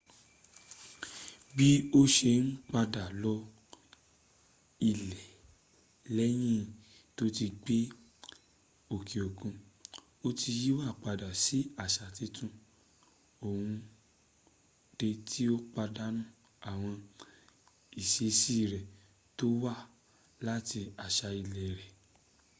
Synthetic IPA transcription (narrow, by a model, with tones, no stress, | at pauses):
bi˦o˦ʃe˧n̩˦k͡pa˧da˨lɔ˧˦ | i˨lɛ˨ | lɛ˦j̃ĩ˦˨ | to˦ti˧ɡ͡be˦ | o˨kʰi˨o˨ɡũ˧ | o˦ti˧ji˦wa˦˨k͡pa˧da˨si˨˦a˦˨ʃa˨ti˨˦tũ˦ | o˨hũ˧ | d̥e˧tʰi˦o˦k͡pa˧da˦nũ˦˨ | a˨w̃ɔ̃˧ | i˨ʃe˨˦si˦˨ɾɛ˨ | to˦wa˦˨ | la˦ti˧a˨ʃa˧i˧lɛ˨ɾɛ˨